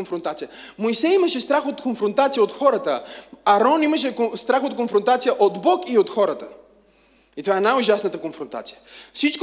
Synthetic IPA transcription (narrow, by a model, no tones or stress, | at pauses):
nfɾont̪at̪sijəmojsɛiməʃɛst̪ɾaxot̪konfɾont̪at̪sijəot̪xɔɾət̪əɐɾɔniməʃɛst̪ɾaxot̪̚konfɾont̪at̪sijəʔod̪bɔkiot̪xɔɾət̪ə | it̪ovaɛnajʊʒasnət̪əkonfɾont̪a̰t̪si̥jə̥fsit͡ʃk